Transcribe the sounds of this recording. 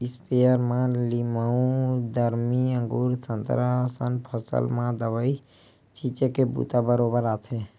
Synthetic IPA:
ispeəɾmãliməũd̪əɾmiə̃ŋɡuɾtənt̪ɾasənpʰəsə̰lmãd̪əβəi | t͡ʃʰit͡ʃekebṵt̪abəɾobəɾat̪ʰe

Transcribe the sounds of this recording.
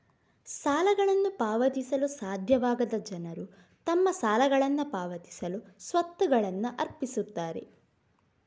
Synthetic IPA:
saːlɐɡɐɭɐnːupaːʋɐt̪isɐlusaːd̪ʱjɐʋaːɡɐd̪ɐd͡ʒɐnɐɾu | t̪ɐmːɐsaːlɐɡɐɭɐnːupaːʋɐt̪i̥sɐlusʋɐt̪ːuɡɐɭɐnːuʔɐɾpisut̪ːaːɾḛ

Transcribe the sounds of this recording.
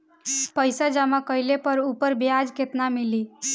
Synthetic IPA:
pəjsad͡ʒamakəjlepəɾupəɾbjad͡ʒket̪namili

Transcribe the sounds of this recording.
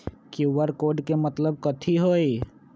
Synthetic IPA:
kuʋəɾkoːɖkemɐt̪ləb̚kɐt̪ʰiɦoːi

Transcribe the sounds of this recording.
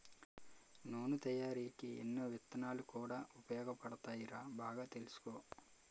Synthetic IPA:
noːnut̪ɐjaːɾiːkiḛnːoːʋit̪ːɐnaːlukuːɽaːupɐjɔːɡɐpɐɽɐt̪aːjiɾaːbaːɡaːt̪e̞lusu̥koː

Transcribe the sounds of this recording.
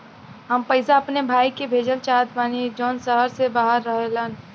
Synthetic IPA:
ɦəmpəɪsaɐpnebʱaːikebʱeːd͡ʒəlt͡ʃaːt̪̚baːnid͡ʒɔːnsəɦəɾsebaːɦəɾːəɦelən

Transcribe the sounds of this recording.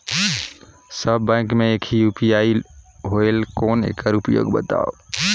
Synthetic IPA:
səbːãɪkmeekʰijupijaiɦoelkonḛkəɾupjo̰ɡbə̰t̪a̰o

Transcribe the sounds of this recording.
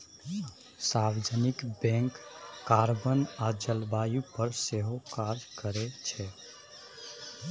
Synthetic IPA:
sawed͡ʒʱənikbɛ̃ŋkːaɾbənad͡ʒəlbajupəɾseɦokad͡ʒkəɾet͡ʃʰɛ

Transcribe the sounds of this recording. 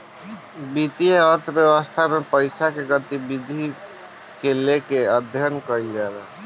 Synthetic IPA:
bit̪ieəɾt̪ʰbjəwəst̪ʰamepəɪsakeɡət̪ibid̪ʱi | kelekeəd̪ʱjənkəɾid͡ʒɛla

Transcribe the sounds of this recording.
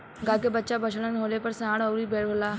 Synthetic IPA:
ɡaːkebətːʃabət͡ʃʰlənɦoːlepəɾsãːɽəuɾiːbeːɽbolaː

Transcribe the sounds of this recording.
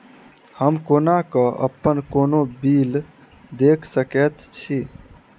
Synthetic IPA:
həmkonakəʔə̰pːənkonobil | d̪ekʰsəkɛt̪t͡ʃʰi

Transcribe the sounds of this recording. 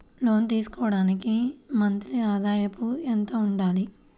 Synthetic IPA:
lo̞ːnt̪iːsu̥kɔːʋɐɽaːnikimɐnt̪ɾiaːd̪aːjɐpuent̪ɐːuɳɖaːli

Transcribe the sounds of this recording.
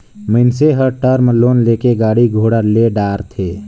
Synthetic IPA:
məɪnseɦəʈəɾməlːoːnleːkeɡaːɽiɡʱoːɽəɾleɖaːɾt̪ʰeː

